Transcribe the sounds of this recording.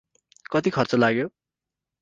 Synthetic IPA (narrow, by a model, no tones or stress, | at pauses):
kʌt̪ikʰʌrt͡sʌlaɡjo